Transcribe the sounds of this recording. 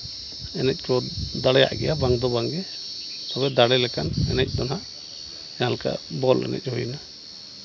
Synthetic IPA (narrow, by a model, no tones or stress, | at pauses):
ɛnɛc̚ˀkɔd̪aɽɛja̰ʔɡɛ̰jabaŋd̪ɔbaŋɡɛt̪ɔβɛd̪aɽɛlɛkanɛ̰nɛc̚ˀd̪ɔnaʔ | jalka̰bɔlɛ̰nɛ̰c̚hɔjna